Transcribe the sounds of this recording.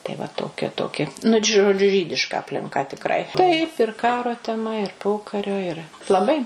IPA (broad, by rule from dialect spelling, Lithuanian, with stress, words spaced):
tɐɪ ʋɐ toːˈkʲɛ toːˈkʲɪ nʊ t ʒoːˈd͡ʒʲʊ ˈʒʲiːdʲɪʃkɐ ɐpʲlʲɪŋˈkɐ tʲɪkˈrɐɪ ˈtɐɪp ɪr ˈkɑːroː tʲɛˈmɐ ɪr ˈpoːkɐrʲoː ɪˈrɐ lˠɐˈbɐɪ